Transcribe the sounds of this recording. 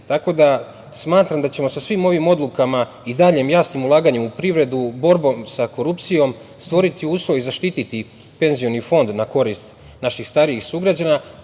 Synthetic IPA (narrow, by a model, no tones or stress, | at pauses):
t̪ako̞d̪a | smaːt̪ɾamd̪at͡ɕe̞mo̞sasʋimo̞ʋimo̞d̪lˠukama | id̪aʎe̞mjaːsimulˠaːɡaɲemupɾiʋɾe̞d̪ubo̞ɾbo̞msako̞ɾupt̪sijo̞m | st̪ʋo̞ɾit̪iuːslˠojizaʃt̪it̪it̪i | pe̞nzijo̞nifo̞nd̪nako̞ɾist̪ | naʃixst̪aɾijixsuɡɾad͡ʑaːna